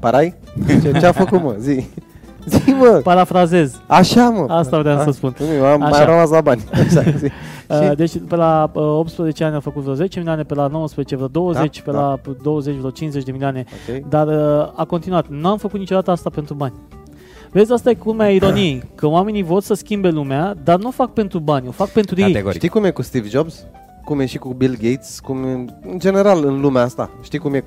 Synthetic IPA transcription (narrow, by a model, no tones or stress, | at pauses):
paɾaj | t͡ʃeafəkut̪məzi | ziməpaɾafɾaze̞zaʃaməasavɾeamsəspunaamajaɾəmaslabanʲea | d̪e̞t͡ʃʲpelaəo̞p̚t̪spɾəze̞t͡ʃeanʲamfəkut̪veɾoze̞t͡ʃemilʲioane̞pelano̞wəspɾəzet͡ʃe̞vɾod̪o̞wəze̞t͡ʃʲpelad̪o̞wəze̞t͡ʃvʲeɾowt͡ʃinze̞t͡ʃʲd̪emilioane̞okʲejd̪arəako̞nt̪inuat̪nuamfəkut̪nit͡ʃod̪at̪əast̪ape̞nt̪ɾubanʲ | veesʲast̪ajekumeaiɾo̞nijkəwame̞nijvo̞rsəskʲimbe̞lumead̪arnuofak̚pe̞nt̪ɾubanʲo̞fak̚pe̞nt̪ɾujejeɡoɾit̪ikumjekust̪ivd͡ʒobz | kumjeʃikubilɡʲejt̪skumɨnd͡ʒe̞ne̞ɾalɨnlumeaast̪a̰ʃt̪ikumje